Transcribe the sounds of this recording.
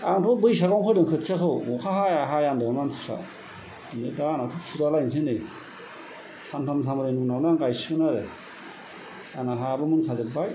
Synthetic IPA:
aŋtʰɔbɯjs̬aɡawŋkʰɯdɯŋkʰɯtsʰakʰɯwmɔkʰahajaɦajandɯamantʰu̥sa̰ | nɯdanatʰuksutalajnsɯnɯj | santʰamsʰamɯɾɯjnuŋnawnaŋkajsɯnaɾe | anaɦajabɯmɯnkʰazɯbaj

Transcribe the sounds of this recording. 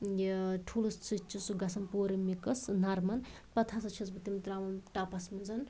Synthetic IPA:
ʈʰuːlust͡sʰit͡ʃʰːusuɡɐsɐnpoːɾɐmikɐsnɐɾmɐn | pɐt̪ʰasɐt͡ʃʰit͡sbɐt̪imt̪ɾaːmɐnʈapɐsmɐd͡zɐn

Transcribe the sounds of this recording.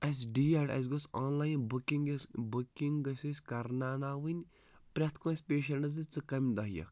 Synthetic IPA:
ɐs̬ʲɖiːaʈʲɐ̰s̬ɡosaːnlaːjnbukiŋɡsbukiŋɡɐsʲisʲkɐɾnaːnaːʋɨnʲ | pɾʲɐt̪ʰkoːnʲspʲeːʃ̬ɐlɳɨzɨt͡sɨkɐmʲd̪ɐɦjɐ̰k

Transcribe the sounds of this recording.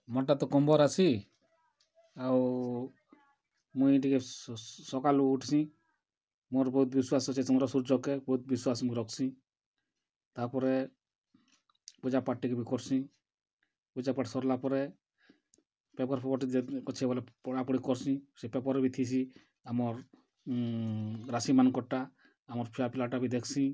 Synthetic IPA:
mɔʈat̪ɔkɔmbɔɾat͡ʃʰi | aw | muiiʈikɛsɔkaluːʈsĩ | mɔɾbɔɦut̪biswasɔt͡ʃʰisimɔɾɔsuɾd͡ʒɔkebɔɦut̪̚biswasmũɾɔkʰsĩ | t̪aɾpɔɾe | pud͡ʒapaʈikebikɔɾsĩ | pud͡ʒapaʈsɔɾlapɔɾe | pɛpɔɾpʰɛpɔʈikɔt͡ʃʰɛbɔlɛpɔɽapɔɽikɔɾsĩsepɛpɔɾbʱit̪ʰis̬i | amɔɾ | ɾasimankɔʈa | amɔɾpʰiapilaʈabid̪ekʰsĩ

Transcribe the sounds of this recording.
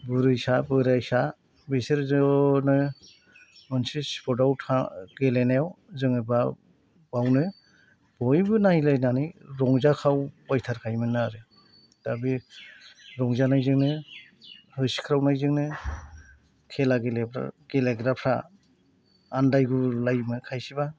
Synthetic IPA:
bɯɾɯjsabɯɾajsa | beseɾzɔnɯ | mɔnsɯspʰɔdawtʰaɡelenawzɯŋɯba | bawnɯ | bɔjbɯnajlajnanɯjɾɔŋzakʰawpɔjtʰaɾkʰajmɯnaɾɯ | d̥abi | ɾɔŋzanajzɯŋnɯ | hɯsi̥kʰɾawnajzɯŋnɯ | kʰelaɡelepʰɾa̰ɡ̥eleɡɾapʰɾa | ndajɡulajmɯkʰajsiba

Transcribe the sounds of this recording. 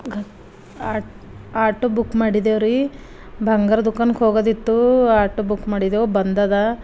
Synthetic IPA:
ɡʱ | aː | aːʈubukːmaːɽid̪eʋɾi | bʱɐŋɡɐɾd̪ʱukːɐnkɦoːɡod̪it̪ːuaːʈːubukːmaːɽid̪eobɐnd̪aːd̪ɐ

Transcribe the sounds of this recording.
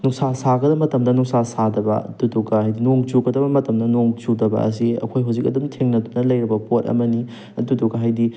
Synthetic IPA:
nuŋsasaɡɐdɐmɐtɐmdɐnuŋsasadɐbɐ̰tuduɡahajdinoŋt͡ʃuɡɐdɐbɐmɐtɐmdɐnoŋt͡ʃudɐbɐ̰ɐ̰s̬iɐ̰kʰojɦawzik̚ɐdɐmtʰeŋnɐdunɐlɐjɾɐbɐpot̚ɐ̰mɐni | ɐduduɡɐɦajdi

